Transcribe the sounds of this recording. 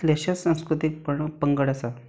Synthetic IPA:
leɕassãñskɾut̪ik̚pəɳpəŋɡəɽasa

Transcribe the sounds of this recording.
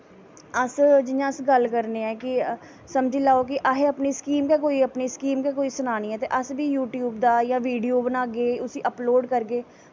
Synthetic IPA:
əsd͡ʒɪjãːəsɡəlkəɾneːɛːkɪ | səmd͡ʒiːlaːoːk̬ɪʔaːɦeːəpniːskiːmkɛːk̬oːiːəpniːskiːmkɛːk̬oːiːsʊnaːnĩːɛːt̪eːʔəsbiːjuːʈjuːbd̪aːjãːʋiːɖijoːbənaːɡeːʊsiːʔəploːɖkəɾɡeː

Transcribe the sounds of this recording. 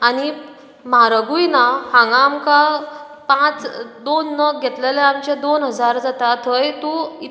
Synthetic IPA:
añi | maɾəɡujnahãŋɡamka | pãt͡sd̪onːəɡʱɛt̪leleamt͡ɕed̪onɦəd͡zaɾd͡zat̪at̪ʰɦəjt̪ui

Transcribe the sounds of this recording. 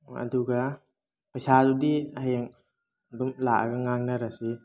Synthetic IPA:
a̰duɡa | pasadudiaajaŋ | dumlaʔa̰ɡaŋaŋnaɾasi

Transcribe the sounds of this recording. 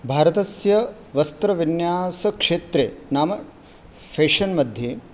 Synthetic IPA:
bʱaːɾɐt̪ɐsjɐ | ʋɐst̪ɾɐʋinjaːsɐkʂeːt̪ɾeːnaːmɐ | pʰeːʂɐnmɐd̪ʱjeː

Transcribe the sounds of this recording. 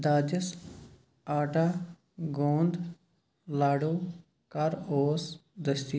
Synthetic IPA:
d̪aːd͡ʒəs | aːʈa | ɡõːnd̪ | laːɽoː | kaɾoːsd̪əst̪i

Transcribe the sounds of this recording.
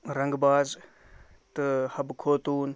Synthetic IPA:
ɾɐŋɡbaːz | t̪ɨhɐbkʰoːt̪uːn

